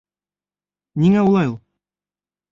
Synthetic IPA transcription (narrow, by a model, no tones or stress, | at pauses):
niŋæulˠɑjulˠ